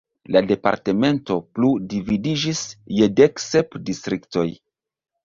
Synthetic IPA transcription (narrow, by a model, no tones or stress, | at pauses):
lade̞pa̰ɾte̞me̞nto̞pludividid͡ʒisjedeksepdistɾikto̞j